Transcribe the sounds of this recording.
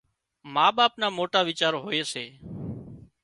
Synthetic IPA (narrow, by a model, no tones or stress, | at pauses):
maːɓaːpnaːmoːʈaːʋɪt͡ʃaːɾɦo̰ːeːseː